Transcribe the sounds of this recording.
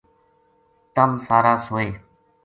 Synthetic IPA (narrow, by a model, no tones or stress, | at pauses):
t̪əmsaːɾaːsoːeː